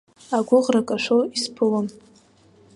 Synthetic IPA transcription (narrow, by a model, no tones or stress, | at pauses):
aɡʷʊʁrakʼaʃʷoispʰɨlom